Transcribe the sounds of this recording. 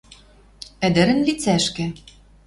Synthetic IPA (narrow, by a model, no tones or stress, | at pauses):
ɘ̆d̪ɘ̆ɾɘ̆nlit͡sæʃkɘ̆